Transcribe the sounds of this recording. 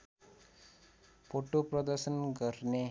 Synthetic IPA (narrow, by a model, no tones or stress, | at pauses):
foʈopɾəd̪əɾʃənkəɾne